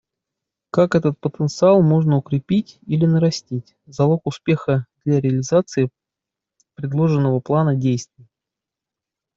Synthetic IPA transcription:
kakɛt̪ət̪̚pət̪ənt̪sɨalˠmo̞ʐnəʊkɾʲɪpʲitʲilʲɪnəɾɐsʲtʲitʲ | zɐlˠo̞kʊspʲe̞xəd̪lʲaɾʲɪəlʲɪzat̪sɨɪ | pɾʲɪd̪lˠo̞ʐɨnːəvəplˠanədʲejst̪vʲɪjə

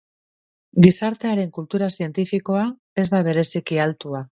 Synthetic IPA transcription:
ɡisaɾt̪e̞aɾe̞ŋkult̪uɾasie̞nt̪ifiko̞a | e̞zd̪aβ̞e̞ɾe̞sikialt̪ua

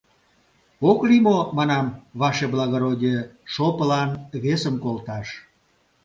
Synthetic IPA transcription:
oklimomɑnɑmβɑʃeblɑɣoɾodʲeʃopəlɑnβesəmkolt̪ɑʃ

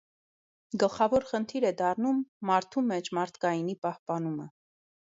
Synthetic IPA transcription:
ɡəlχɑvɔɾχənt̪ʰiɾɛd̪ɑrnumːɑɾt̪ʰumɛt͡ʃʰmɑɾt̪ʰkɑjinipɑhpɑn̪umə̰

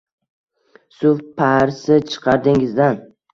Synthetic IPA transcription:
sʊfpʰaɾsɪt͡ʃʰɨ̥qʰɑɾd̪ɪŋɪzd̪an

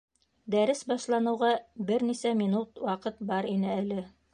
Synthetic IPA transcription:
d̪æɾɘsbɑʃlˠɑnɤ̆wʁɑbɘɾnisæminut̪wɑqɤt̪bɑɾinɘælɘ

